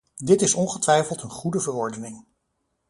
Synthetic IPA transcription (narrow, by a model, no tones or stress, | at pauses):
dɪtɪsɔnχətʋɛjfəlˠtənχudəvəɹɔɹdənɪŋ